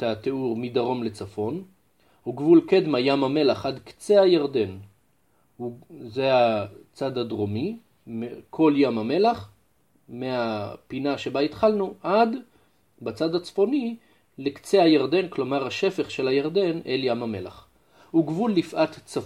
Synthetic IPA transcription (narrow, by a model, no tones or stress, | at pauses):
tat̪euʁmid̪aʁo̞mle̞t͡safo̞n | huɡvulked̪majamame̞laχʔad̪kt͡sehajaʁd̪e̞n | uzeat͡sad̪ad̪ʁomi | mekʰo̞ljamame̞laχ | meapinaʃe̞bait̪χalnuʔad̪ | bat͡sad̪at͡sfo̞ni | lekt͡sehajaʁd̪e̞nklo̞maʁaʃe̞feχʃe̞lajaʁd̪e̞neljamamela̰χ | huɡvulːifʔat̪t͡sa